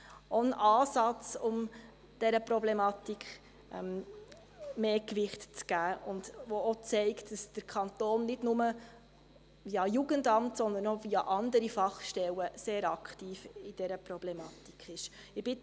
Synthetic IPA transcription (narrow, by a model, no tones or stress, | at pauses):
ɔnʔɑːsɑt͡sʊm | d̥ɛɾəpɾɔblɛmɑtikχ | ʔɛm | meːkʋɪχtt͡sɡ̥æːʊndʋoot͡sɛɪktd̥ɑsd̥əɾkʰɑnt̪oːnːɪdnʊmə | ʋiɑjuɡəndɑmtsɔnd̪ənɔviɑʔɑndəɾifɑχʃtɛləseːɾɑktiːfid̥ɛɾəpɾɔb̥lɛmɑti̥kχɪʃ | ɪb̥ɪ